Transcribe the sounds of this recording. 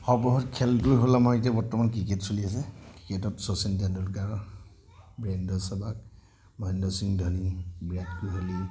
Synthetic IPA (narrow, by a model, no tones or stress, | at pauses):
xɔpɹɔɦɔtkʰɛltuɹiɦolamɔitabɔɹtɔmankɹiketsulias̬ɛkɹiketɔtsɔsɛntandɔkaɹ | bɹɛndɔsabak̚ | mɔndɔsiŋdʱɔnibɹɛtkujɦoli